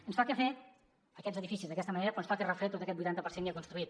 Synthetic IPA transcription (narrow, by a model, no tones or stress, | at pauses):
ənsfakefe | əkɛzəðifisizðəkɛst̪əməneɾəpɾɔənsfakerəfɾet̪ot̪əkɛt̪bujt̪ant̪əpəɾsenŋkeakunst̪ɾuit̪̚